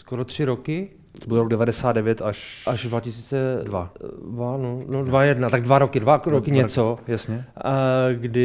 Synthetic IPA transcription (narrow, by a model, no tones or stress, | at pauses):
skoɾot̪r̝̥ɪɾokɪ | obudɛɾoɡdɛvadɛsaːd̪dɛvjɛt̪aʃʔaʒdvacɪsiːt͡sɛdvavanonodvajɛdnat̪aɡdvaɾokɪdvaɾokɪɲɛt͡sojasɲɛ | ɡdɪ